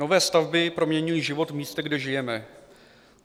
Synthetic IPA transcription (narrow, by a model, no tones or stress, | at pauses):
ovɛːst̪avbɪpɾomɲɛɲujiːʒɪvo̞t̪vmiːst̪ɛɡdɛʒɪjɛmɛ